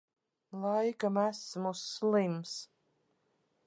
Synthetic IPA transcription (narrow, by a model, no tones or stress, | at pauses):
lˠajkamæsmusːlˠims